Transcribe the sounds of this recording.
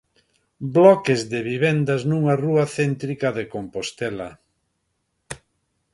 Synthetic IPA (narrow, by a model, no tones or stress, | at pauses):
blɔkezðeβiβend̪ɐznuŋaruɐθent̪ɾikɐðekompost̪ɛlɐ̰